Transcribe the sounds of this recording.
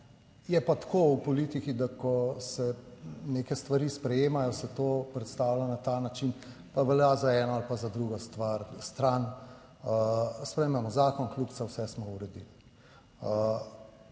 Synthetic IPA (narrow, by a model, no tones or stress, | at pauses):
jɛpat̪kʰoupɔliːt̪ikid̪akɔsɛneːkɛst̪ʋaɾispɾɛjeːmajɔsɛt̪opɾɛt̪st̪aːwlanat̪anat͡ʃin | paʋɛljazaɛːnɔalpazad̪ɾuɡɔst̪ʋaɾst̪ɾan | əspɾɛjemɛmɔzaːkɔnkluksawsɛsmɔuɾɛd̪il | ə